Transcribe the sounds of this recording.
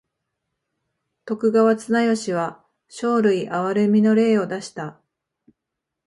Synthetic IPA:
t̪o̞kɯ̟ɡaβat͡sɨnajo̞ɕiβ̞a | ɕo̞ːɾɯ̟iʔaβaɾɯ̟mʲino̞ɾe̞ːo̞d̪aɕi̥t̪a

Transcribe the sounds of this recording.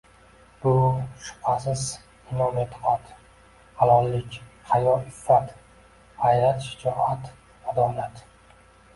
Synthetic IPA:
b̥ʊʃʊ̥pʰasɪz | ɪnɒmet̪ʰqʰat̪ | halɒlːɪkʲhajɒɪfːat̪ | hajɾat̪ʃɪ̥d͡ʒɒʔat̪ | mad̪ɒlat̪

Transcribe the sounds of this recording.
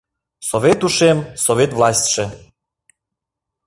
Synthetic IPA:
sovʲet̪uʃemsovet̪vlɑsʲt̪ʲʃe

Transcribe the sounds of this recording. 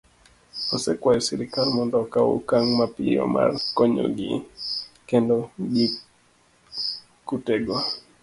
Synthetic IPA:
ɔsɛkwajɔsiɾikalmɔndɔkaṵkaŋmapiɔ̰ma̰rkɔɲo̰ɡḭ | kendɔɡi | kutɛɡwa

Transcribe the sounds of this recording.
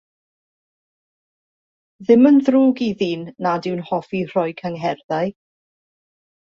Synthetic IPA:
ðɪmənðruːɡiðiːnːadɪwnhɔfir̥ɔjkʰəŋɦɛrðaj

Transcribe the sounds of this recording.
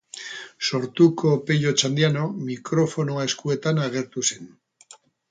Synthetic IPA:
so̞ɾt̪uko̞peʎo̞t͡ʃand̪iano̞mikɾo̞fo̞noae̞skue̞t̪anaɣ̞e̞ɾt̪use̞n

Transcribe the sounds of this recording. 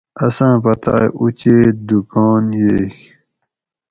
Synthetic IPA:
ɐsãːpɐt̪a̰ːjʔut͡ɕeːd̪ukɔːnjeːk

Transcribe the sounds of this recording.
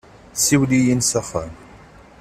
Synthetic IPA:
siwlijinsafan

